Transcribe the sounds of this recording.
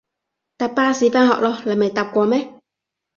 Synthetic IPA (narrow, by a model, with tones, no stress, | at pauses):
t̪a˧paː˦si˧˦pã˦ɦhɔ̰˧ʔlɔ˧la˨mẽ˨t̪a˧kʷɔ˨˧me˦